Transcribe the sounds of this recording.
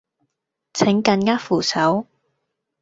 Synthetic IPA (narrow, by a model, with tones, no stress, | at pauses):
t͡sʰɪ˨˥ŋkɐ˧nŋaː˥kfuː˨˩sʰɐ˨˥w